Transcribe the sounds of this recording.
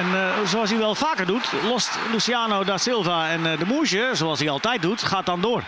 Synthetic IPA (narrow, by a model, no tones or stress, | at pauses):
ɛnzoas̬iʋɛlˠfaːkərdutlɔstlusiaːnodasɪlˠvaɛndəmuʃəsoalˠsiɑlˠtɛjt̚dutχaːt̚dɔndoːər